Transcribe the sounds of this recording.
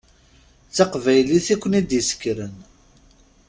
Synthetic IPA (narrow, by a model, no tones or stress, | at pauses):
t͡sːaqvæjliθikʷːənid̪jəsə̥kːɾən